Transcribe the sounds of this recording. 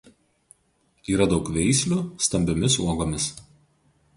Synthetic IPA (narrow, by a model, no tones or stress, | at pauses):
iːɾɐd̪ɒʊkʋʲɛɪsʲlʲuˑst̪ɐmʲbʲomʲɪsuɔɡoːmʲɪs